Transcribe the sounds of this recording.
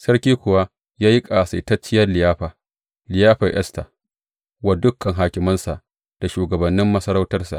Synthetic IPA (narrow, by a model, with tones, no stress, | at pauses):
sɐ˦ɽkʲiː˦kʷʊ˨wa˦ | jaː˦jɪ˦kʼa˨sa˨tɐ˦t͡ʃːɪ˦jɐ˦rlɪ˨jaː˦ɸa˨ | lɪ˨jaː˦ɸɐ˨ʔɛ̰˦sta̰˨ | wa˦dʊ˦kʰːɐ˨ŋɦaː˨kʲɪ˨mɐ˦nsa˨ʔ | d̥a˨ʃuː˨ɡɐ˨bɐ˨nːɪ˦mːɐ˦sɐ˦ɾa˦wtɐ˦rsa̰˨ʔ